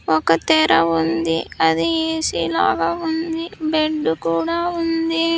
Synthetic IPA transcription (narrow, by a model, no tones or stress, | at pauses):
ɔkɐt̪ɛːɾɐund̪iɐd̪ieːsḭla̰ːɡaːund̪ibeɖːukuːɽaːund̪i